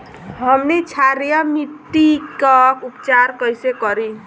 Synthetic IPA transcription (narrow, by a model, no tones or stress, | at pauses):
ɦəmnit͡ʃʰaɾijəmiʈːikəupt͡ʃaɾkəjsekəɾi